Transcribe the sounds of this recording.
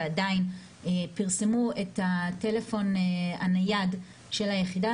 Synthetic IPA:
adain | epiʁse̞mue̞thate̞lefo̞neanajad | ʃe̞lhajeχida

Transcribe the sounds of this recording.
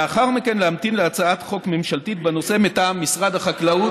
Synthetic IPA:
aχaʁmikenleamt̪inleat͡saat̪χo̞kme̞mʃalt̪it̪beno̞se̞met̪aːmːisʁad̪aχaklau

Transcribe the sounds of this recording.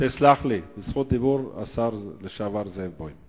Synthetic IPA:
t̪islaχlibəzχut̪̚d̪ibuɾa̰saɾleʃavaɾzevbojm

